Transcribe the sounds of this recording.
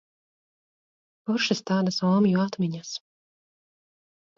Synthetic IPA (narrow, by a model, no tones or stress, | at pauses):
pɔɾʃɨst̪aːd̪asɔːmjuat̪mʲiɲas